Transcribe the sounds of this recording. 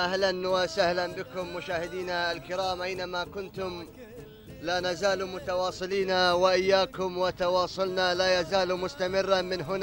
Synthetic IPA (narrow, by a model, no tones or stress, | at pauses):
ʔahlanwasahlanbɪkʊmːʊʃaːhɪd̪iːnaalkɪɾaːmʔajnamakʊnt̪ʊm | laːnazaːlmʊt̪ɑwɑːsˤɨliːnawaʔɪjːaːkʊmwat̪ɑwɑːsˤʊlnalaːjazaːlmʊst̪amɪrːamɪnɦʊna